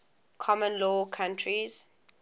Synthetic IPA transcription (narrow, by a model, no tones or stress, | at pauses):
kʰɔmə̃nlɔːkʰãntʰɹiz̥